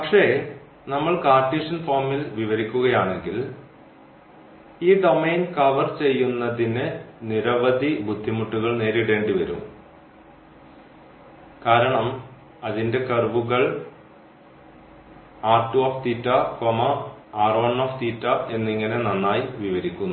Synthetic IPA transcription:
pɐkʂe̞ː | nɐmːɐɭkaːrʈːiːʂɐnfoːmilʋiʋɐɾikʲːuɣɐjaːɳe̞ŋɡil | iːd̪o̞mejnkɐʋɐrt͡ɕe̞jːunːɐðinɨniɾɐʋɐd̪ʱibud̪ʱːimuʈːuɣɐɭne̞ːɾiɽe̞ːɳɖiʋɐɾṵmː | kaːɾɐɳɐm | ɐðinde̞kɐrʋuɣɐɭ | aːrʈːuoːft̪iːtːɐkomɐaːroːɳːoːft̪iːtːɐe̞nːiŋːɐne̞nɐnːaːjiʋiʋɐɾikʲːunːu

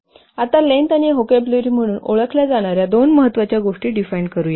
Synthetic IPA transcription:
at̪alent̪aniɦokebluɾiːm̤əɽ̃uːno̰ɭəkʰljad͡zaɽ̃aɾjad̪onməɦət̪ːʋat͡ɕjaɡoʂʈiːɖifaiɳɖkəɾuːje

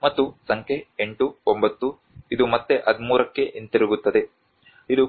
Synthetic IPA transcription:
mɐt̪ːusɐŋkʰe̞eɳʈuombɐt̪ːu | id̪umɐt̪ːe̞ʔɐd̪muːɾɐkːe̞ʔint̪eɾuɡut̪ːɐd̪e̞ | id̪u

